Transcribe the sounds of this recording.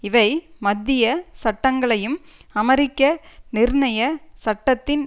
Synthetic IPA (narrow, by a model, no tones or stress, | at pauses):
ɪʋɐɪmɐd̪ːɪjɐsɐʈːɐŋɡɐɭɐjɯmɐmɐɾɪkːɐnɪɾɳɐjɐsɐʈːɐt̪ːɪn